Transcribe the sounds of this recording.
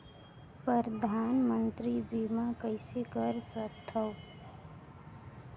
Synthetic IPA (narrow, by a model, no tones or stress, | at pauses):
pɾəɾd̪ʱaːnmə̃nt̪ɾibimakəɪsekəɾsəkt̪ʰəo